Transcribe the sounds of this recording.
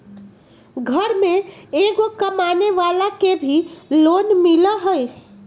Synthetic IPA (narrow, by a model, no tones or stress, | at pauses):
ɡʱəɾmeeɡokəmaneʋalakebʱilonmiləɦəj